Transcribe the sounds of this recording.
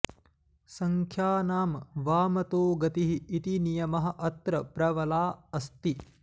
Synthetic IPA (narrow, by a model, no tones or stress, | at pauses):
sɐŋkʰjaːnaːmʋaːmɐt̪oːɡɐt̪iɦiːt̪inijɐmɐɦɐ̆ʔɐt̪ɾɐpɾɐʋɐlaːɐst̪i